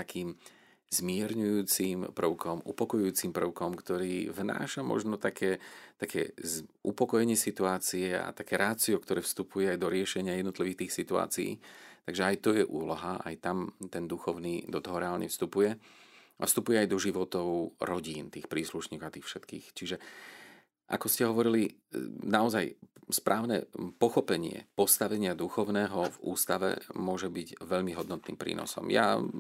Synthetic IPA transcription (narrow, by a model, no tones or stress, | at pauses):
t̪akʰiːm | zmɪɛɾɲujuːt͡simpr̩ʊkʰɔmʔupɔkɔjuuːt͡simpr̩ʊkɔmkt̪ɔɾiːvna̰ːʃamɔ̰ʒnɔt̪akʰɛːt̪akʰɛ̰ːzʔupɔkɔjɛɲɪɛsit̪uaːt͡siɛa̰t̪akɛːɾaːt͡siɔkt̪ɔɾɛːfst̪upujɛajd̪ɔɾɪɛʃɛɲɪajɛd̪nɔt̪liʋiːxt̪iːxsit̪ua̰ːt͡siḭːt̪aɡʒɛajt̪ɔjɛʔuːlɔɦaa̰jt̪amt̪ɛnd̪uxɔʊniːd̪ɔt̪ɔɦɔɾɛaːlɲɛ̰fst̪upujɛ | ʔa̰fst̪upujɛajd̪ɔʒiʋɔt̪ɔʊɾɔɟiːnt̪iːxpɾiːsluʃɲiːkɔat̪iːxfʃɛt̪kḭːxt͡ʃiʒɛ | ʔa̰kɔscɛɦɔʋɔɾilinaɔzajspɾʔaːʊnɛpɔxɔpɛɲɪɛ̰pɔst̪aʋɛɲɪad̪uxɔʊnɛːɦɔvṵːst̪aʋɛ̰mʊɔʒɛbiɟʋɛʎmiɦɔd̪nɔt̪nḭːmpɾḭːnɔ̰sɔ̰mja̰